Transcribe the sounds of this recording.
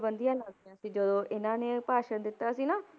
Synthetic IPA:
bə̃nd̪ijãːlaɡd̪ijãːsĩːd͡ʒəd̪õːʔɪnãːneːpaːʃənd̪ɪt̪ːaːsĩːnaː

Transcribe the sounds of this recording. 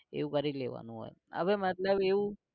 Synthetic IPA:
ḛũkəɾileʋa̰nũɦo̰jə̰ʋemət̪ləbeũ

